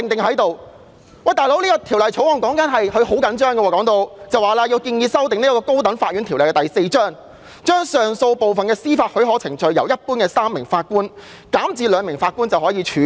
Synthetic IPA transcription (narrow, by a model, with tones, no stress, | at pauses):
tɪ˨ŋt̪ɪ˨ŋɦɐ˨˥jt̪o˨w | wɐ˨jt̪aː˨jlo˨˥wliː˥kɔ˧t̪ʰi˨˩wlɐ˨jt͡ʃʰo˨˥wɔː˨˩ŋkɔː˨˥ŋkɐ˨˥nɦɐ˨jhɵ˨˧ɥho˨˥wkɐ˨˥nt͡ʃœː˥ŋɡɛ˧wɔː˨kɔː˨˥ŋt̪o˧wt͡sɐ˨waː˨˩laː˧jiː˧wkiː˧njiː˧sɐ˥wt̪̬ɪ˨ŋniː˥kɔː˧ko˥wt̪̬ɐ˨˥nfaː˧t̚ɥyː˨˥nt̪ʰːwlɐ˨˩jkɛ˧t̪jse˧jt͡ʃœː˥ŋ | t͡ʃœː˥ŋsœː˨˩ŋso˧wpo˨wfɐ˨nkɛː˧siː˥faː˧t̚hɵ˨˥ɦɔː˨˥t͡sʰɪ˨˩ŋt͡ʃɵ˨ɥjɐ˨˩wjɐ˥t̚puː˥nkɛː˧saː˥mːɪ˨˩ŋfaː˧t̚kuː˥n | kaː˨˥mt͡siː˨˧lœː˨˧ŋmɪ˨˩ŋfaː˧t̚kuː˥nt͡sɐ˨whɔː˨˥jiː˨˧t͡ʃʰyː˨˥